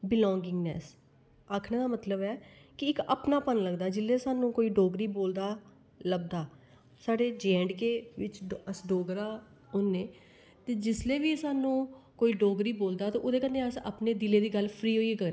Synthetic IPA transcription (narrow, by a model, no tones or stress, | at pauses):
bɪlɔ̃ːŋɡɪŋɡnɛ̰ːs | aːkʰnẽːd̪aːmət̪ləbɛːkɪɪkə̰pnaːpənləɡd̪aːd͡ʒɪlːeːsaːnũːkoːiːɖoːɡɾiːboːld̪aː | ləɡ̚d̪aː | saːɖeːd͡ʒɛ̃ːɳɖkeːʋɪt͡ʃəsɖoːɡɾaː | oːnːeː | t̪eːd͡ʒɪsleːʋiːəsaːnũːkoːiːɖoːɡɾiːboːld̪aːt̪ẽːʔoːd̪eːkənd̪ẽːəsa̰pneːd̪ɪleːd̪iːɡəlpʰɾiːɦoːieːkəɾ